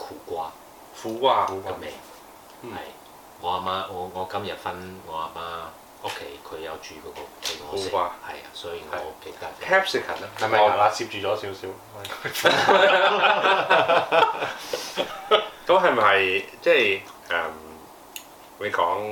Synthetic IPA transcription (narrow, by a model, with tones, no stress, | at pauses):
kʰuː˨˩kʷaː˥ | fuː˨˥kʷaː˥˧ɐ˧mɛ˨ | hɐ˨j | ŋɔː˨˧a˨maː˥ŋɔː˨˧ŋɔː˨˧kɐ˥mjɐ˨t̚fɐ˥nŋɔː˨˧a˨˩maː˥ | o˥kʰe˥jkʰɵ˨˧ɥjɐ˨˧wt͡ʃyː˨kɔː˨˧kɔ˧˨˧fu˨kʷaː˥hɐ˨jsɔ˥jiː˨ŋɐ˨˧ke˨˧jt̪ɐ˥pʰɛ˥psɪ˨˩kʰɐ̰˨˩na˧hɐ˨mɐ˨˧a˨la˧siː˧p̚t͡ʃyː˨˩ɔː˨˥si˨˥wsiː˨˥w | f | k̪ɐ˥mɦɐ˨˩mɐ˨jt͡sɛː˥˧jʔɛ˨˩m | le˨˧˩kɔː˨˥ŋ